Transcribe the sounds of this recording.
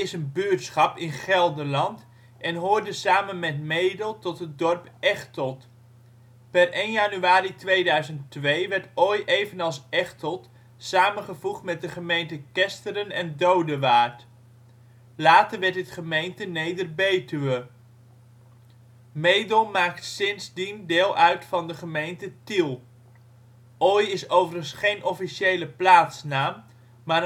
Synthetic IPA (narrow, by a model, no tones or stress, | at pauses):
ɪsənbyɹtsχɑpɪnχɛlˠdəlɑnt | ʔɛnɦoːɹdəsaːmənmɛtmejdəlˠtɔtɦət̚dɔrpɛχtɔlˠt | pɛrejnjaːnyaːɾitʋejdœɥzənttʋejʋɛɹtojejvənɑlˠsɛχtɔlˠt | saːmənχəvuχtmɛt̚dəχəmejntəkɛstəɾənɛndowdəʋaːɹt | laːtəɹʋɛɹtətχəmejntənejdərbejtəʋə | mejdəlˠmaːk̚tsɪnzdindeːlˠʔœɥtfɑndəχəmejntətilˠ | ʔɔjɪsowvərənsχejnʔɔfiʃejləplaːtsnaːm | maː